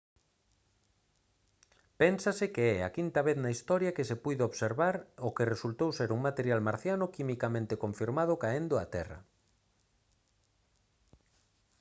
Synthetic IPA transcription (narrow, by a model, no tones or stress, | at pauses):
pensasɪkeɛa̰kint̪ɐβeθnaist̪ɔɾjakɪsepujðeoβseɾβaɾokeresult̪owseɾuŋmat̪eɾjalmaɾθjanʊkimikamẽnt̪ekõɱfiɾmað̞ʊkaend̪ʊa̰t̪ɛ̰rɐ̰